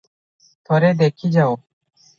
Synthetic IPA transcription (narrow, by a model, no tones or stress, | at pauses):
pʌɾed̪ekʰid͡ʑao